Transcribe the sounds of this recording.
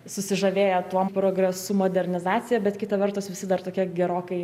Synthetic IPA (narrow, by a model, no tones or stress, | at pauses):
sʊsʲɪʒɐʋʲeːjɛt̪uɔpɾoːɡɾʲɛsumoːd̪ʲɛɾʲnʲɪzɑːt͡s̪ʲɪjɛbʲɛt̪kʲɪt̪ɐʋʲɛrt̪ʊsʋʲɪsʲɪd̪ɐrt̪oːkʲiɛɡʲɛɾoːkɐɪ